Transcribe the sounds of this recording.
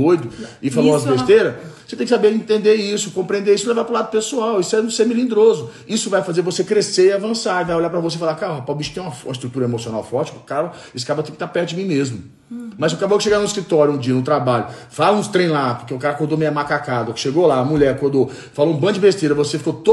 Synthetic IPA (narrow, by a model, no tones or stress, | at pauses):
ojd̪ʊɪfalõbest̪eɾɐo̥set̪ẽj̃kɪsabeɾĩt̪ẽnd̪eisʊkõmpɾiẽnd̪eɾisʊɪlevaɾpɾʊlad̪ʊpesuawisʊɛũseɾmilĩnd̪ɾozʊ | isʊvajfazeɾvosekɾeseɪiavɐ̃saɾɪvajolʎaɾpɾɐvosefalaɾkaɾʊhapawbiʃɐt̪ẽj̃ũmɐfũmɐis̬t̪ɾut̪uɾɐemosiona̰wfɔt͡ʃi̥kɐkaɐ | ɪsɪ̥kabɐt̪ẽkɪt̪apɛɾt̪ʊd͡ʒɪmĩmezmʊ | mɐzekabowkɪʃeɡanʊ̃ɪskɾit̪ɔɾjʊũd͡ʒiɐnʊt̪ɾabaʎʊfalɐũt̪ɾẽj̃lapoɾkeʊkaɾɐkoɾd̪omĩɲɐmakakad̪ɐkʃeɡolaɐmuʎɛɾɐkoɾd̪o | faloũbɐ̃d͡ʒɪbest̪eɾɐvosefi̥kot̪o